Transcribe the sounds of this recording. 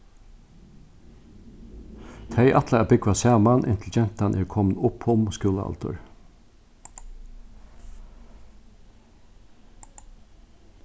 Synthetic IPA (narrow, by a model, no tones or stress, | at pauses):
t̪ʰɛɪʔat̪laabɪkʋasæːmanʔɪ̰nt̪ʰld͡ʒɛn̥t̪anʔɛɹkʰɔmnʊpʰhʊmskʊːla̰a̰lt̪ʊ̰ɹ